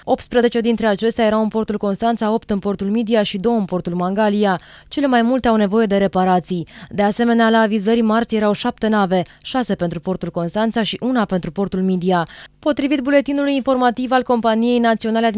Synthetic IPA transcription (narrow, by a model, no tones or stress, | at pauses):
o̞p̚t̪spɾəzet͡ʃe̞d̪int̪ɾe̞at͡ʃe̞st̪eaje̞ɾawɨnpo̞rt̪ulko̞nst̪ant̪sao̞pt̪ɨnpo̞rt̪ulmid̪iaʃid̪o̞wəɨnpo̞rt̪ulmaŋɡalija | t͡ʃe̞lemajmult̪eawne̞vo̞je̞d̪e̞ɾe̞paɾat̪sijd̪e̞ase̞me̞nealaːvizəɾʲmart̪sje̞ɾawʃap̚t̪e̞nave̞ | ʃase̞pent̪ɾupo̞rt̪ulko̞nst̪ant̪saʃiʔunape̞nt̪ɾupo̞rt̪ulmid̪iapo̞t̪ɾivit̪̚bule̞t̪inulujinfo̞rmat̪ivalko̞mpanije̞jnat̪sionalead̪